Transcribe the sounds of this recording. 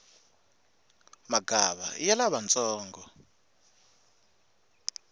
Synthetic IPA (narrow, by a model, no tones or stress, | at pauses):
maɡ̥ʱaɓa̰ḭjalaɓant͡sʼɔːŋɡɔ